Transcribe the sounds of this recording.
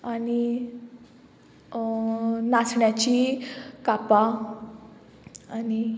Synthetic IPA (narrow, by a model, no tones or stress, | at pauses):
ani | nasɳjat͡ɕikapa | ani